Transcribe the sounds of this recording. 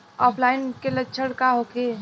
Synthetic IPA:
ɔːpʰlaːɪnkelətːt͡ʃʰəɽkaɦoke

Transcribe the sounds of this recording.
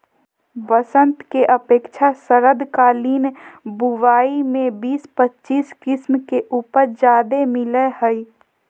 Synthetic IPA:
bəsə̃nt̪keʔəpeːkt͡ʃʰasəɾəd̪ʱkaːliːnbuʋaːimẽbiːspətːt͡ʃiːskɪsmkeʔuːpəɾd͡ʒaːd̪emɪlehəi

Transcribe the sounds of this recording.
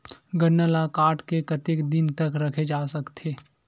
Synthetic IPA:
ɡɐnːəlakaːʈkekɐt̪ekd̪ɪnt̪ɐkɾɐkʰed͡ʒaːsɐkt̪ʰeː

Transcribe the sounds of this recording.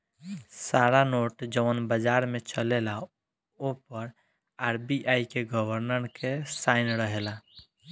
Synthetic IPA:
saɾanoʈd͡ʒənbəd͡ʒaɾmet͡ʃəlela | opəɾ | aɾbiʔajkeɡəbəɾnəɾkesaɪnɾəɦela

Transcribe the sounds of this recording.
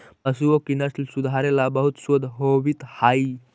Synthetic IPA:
pəsuokinəslsud̪ʱaɾelabəɦut̪sod̪ʱɦoʋit̪hai

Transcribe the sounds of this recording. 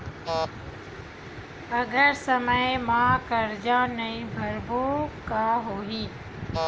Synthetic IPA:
ɐɡʱəɾsəməɪmãːkɐɾd͡ʑãːnɐĩbʱɐɾboːkaːɦoːɦiː

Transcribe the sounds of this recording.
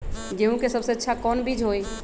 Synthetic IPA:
d͡ʒeɦũkesəbseətːʃʰakɔnbʱid͡ʒʱɦoj

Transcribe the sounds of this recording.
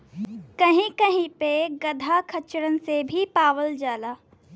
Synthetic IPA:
kɐɦĩkɐɦĩpeɡɐd̪ʱakʰɐt͡ʃɾənsebʱipaːʋəld͡ʒaːlaː

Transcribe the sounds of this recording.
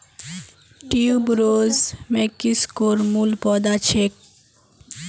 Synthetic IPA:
ʈiubɾozmekːiskoɾmulpɔd̪at͡ɕʰek̚

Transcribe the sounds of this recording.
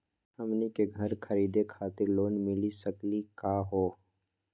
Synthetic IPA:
hɐmnikeɡʱɐɾkʰɐɾiːd̪ekʰaːt̪ɪɾloːnmɪlisɐklikaːɦoː

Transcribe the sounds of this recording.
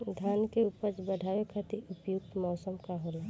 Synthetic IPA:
d̪ʱankeupəɾt͡ʃbəɖʱawekʰat̪iʊpjuk̚t̪mɔːsəmkaɦola

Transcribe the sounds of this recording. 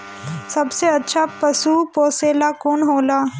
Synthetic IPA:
sɐbseətːʃʰapəsuːpoːseːlakonɦoːlaː

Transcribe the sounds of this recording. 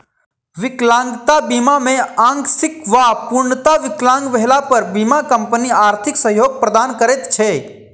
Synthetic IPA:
ʋɪklãːŋɡt̪abimamẽãːŋɡsɪkʋapʊɾnət̪aʋɪklãːŋɡʋɛɦlapəɾbiːmakə̃mpəniaːɾt̪ʰɪksəɦjoːɡ̚pɾəd̪aːnkəɾeːt̪t͡ʃʰe

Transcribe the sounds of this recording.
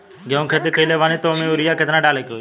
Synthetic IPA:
ɡʱəũkʰeːt̪̬iːkəiːleːʋaːniːt̪oːmẽːuɾɪjaːket̪nãːɖaːleːkoː

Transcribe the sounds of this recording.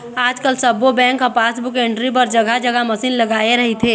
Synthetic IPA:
aːd͡ʒkəlsəbobɛ̃ːŋkəpaːsbʊkẽɳʈɾip̬əɾd͡ʒəɡad͡ʒəɡaməsiːnləɡaːeɾəɦit̪ʰeː

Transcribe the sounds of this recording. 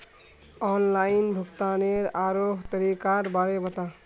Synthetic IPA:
ɔnlaɪinbʱukt̪aneɾaɾoɦt̪əɾikaɾbaɾebət̪ã

